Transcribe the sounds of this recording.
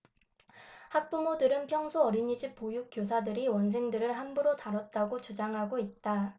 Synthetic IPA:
hak̚p͈umodɯɾɯnpʰjʌŋsʰoʌɾiɲid͡ʑip̚p͈ojuk͈josʰadɯɾiwʌns̬ʰe̞ŋdɯɾɯɭɦambuɾotaɾʌt̚t͈aɡot͡ɕud͡ʑaŋɦaɡoit̚t͈a

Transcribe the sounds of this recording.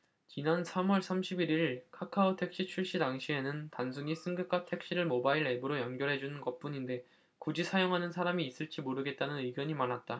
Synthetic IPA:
t͡ɕinansʰamwʌɭsʰamɕʰibiɾiɭkʰakʰaotʰe̞k̚ɕ͈it͡ɕʰuɭɕ͈idaŋɕʰie̞nɯntansʰuɲis͈ʰɯŋɡɯk͈ʰatʰe̞k̚ɕ͈iɾɯɭmobaiɾe̞buɾojʌnɡjʌɾɦe̞d͡ʑunɯnɡʌt̚p͈uɲinde̞ | kud͡ʑisʰajoŋɦanɯnsʰaɾamiːs͈ɯɭt͡ɕ͈imoɾɯɡe̞t̚t͈anɯnɯɡjʌɲimanat̚t͈a

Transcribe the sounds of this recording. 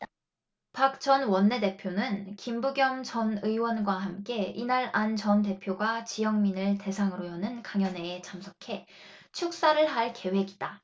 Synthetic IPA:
pak̚t͡ɕʌnwʌnːe̞de̞pʰjonɯnkimbuɡjʌŋt͡ɕʌnɯiwʌnɡwaɦamk͈e̞inaɾant͡ɕʌnte̞pʰjoɡwat͡ɕijʌŋminɯɭte̞sʰaŋɯɾojʌnɯnkaŋjʌne̞ːt͡ɕamsʰʌkʰe̞ | t͡ɕʰuk̚s͈aɾɯɭɦaɭke̞we̞ɡid̥a

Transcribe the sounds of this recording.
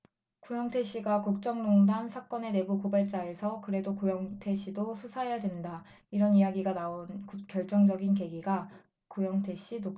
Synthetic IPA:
kojʌŋtʰe̞ɕʰiɡakuk̚t͡ɕ͈ʌŋnoŋdansʰak͈ʌne̞ne̞bukobaɭt͡ɕ͈ae̞sʰʌkɯɾe̞dokojʌŋtʰe̞ɕʰidosʰusʰajadwenda | iɾʌnijaɡiɡanaonkk͈jʌɭt͡ɕ͈ʌŋd͡ʑʌɡinke̞ɡiɡa | kojʌŋtʰe̞ɕ͈ʰino

